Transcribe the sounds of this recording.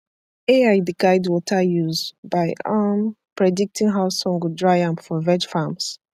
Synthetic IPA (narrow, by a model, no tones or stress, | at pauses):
eaɪdəɡaɪdwɔtʰajuzbaɪampɹɛdik̚tʰĩŋɦaʊsɔ̃ŋɡudɹaɪãmfɔvɛd͡ʒfams